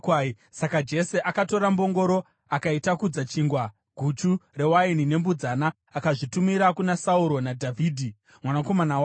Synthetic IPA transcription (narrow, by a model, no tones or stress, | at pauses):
sakad͡ʒe̞se̞ʔakato̞ɾambo̞ŋɡo̞ɾo̞ | akaitakud͡zat͡ʃiːŋɡwa | ɡ̥ʱut͡ʃure̞wainine̞mbud͡zanaː | kaʐitumiɾakunasauɾo̞nadʱavʱiːdʱi | mwanako̞manaw